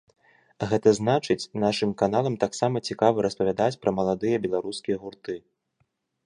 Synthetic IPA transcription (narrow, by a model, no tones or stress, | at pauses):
ɣɛt̪ɐznat͡ʂɨt͡sʲnaʂɨmkan̪alˠɐmt̪aksamɐt͡sʲikavɨɾɐspɐvʲad̪at͡sʲpɾʔɐmɐlˠad̪ɨjɐbʲɛlˠaɾuskʲijɐɣurt̪ɨ